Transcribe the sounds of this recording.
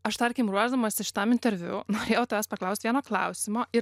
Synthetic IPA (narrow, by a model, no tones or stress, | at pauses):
ɐʃt̪ɐɾʲkʲimɾuɔʒd̪ɐmɐːsʲɪʃʲɪ̥t̪ɑmɪnʲt̪ʲɛɾʲʋʲʊ̰noːɾʲeːjɛʊt̪ɐʋæːspɐklˠɐʊsʲt̪ʋʲiɛnoːklˠɐ̰ʊsʲɪmoːɪɾ